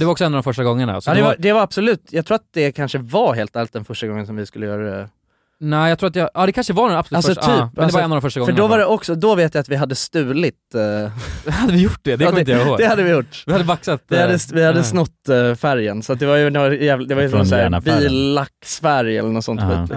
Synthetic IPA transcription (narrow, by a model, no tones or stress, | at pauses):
d̪ɛvɾɔksɔɛnːavd̪ɔmfœʂʈaɡɔŋːəna̰sːd̪ɛvad̪ɛvaɾab̥sɔlʉ̟ːt̪jɑɡt̪ʰɾuːat̪̚d̪ɛkʰanʂəvaɦeːlt̪æːlɪt̪̚d̪ɛnfœʂʈaɡɔŋːənsɔmvɪskɵlːəjœːɾaɛ | næɪjɑɡt̪ʰɾuːat̪jʔɑːd̪ɛkʰanʂəəvaasalsɔyːpmɛnːvd̪ɔ̃mfœʂʈaɡɔfœɖɔvaɖɛʔɔksɔd̪ɔveːt̪jajat̪vɪɦad̪ːəst̪ʉ̟ːlɪt̪ | had̪ːəvɪjʊʈːdɛd̪ɛkɔmjoːɡd̪ɛhad̪ːəvɪjʊʈːvɪhad̪ːəvaksat̪ɪhad̪ːəvɪhad̪ːəsnɔt̪ːfæɾjənsat̪̚d̪ɛvajɵɔjæːvld̪ɛvajəsɔmsːɾviːlːaksfæɾjɛ̰lːəɳɔt̪sɔnḭːt̪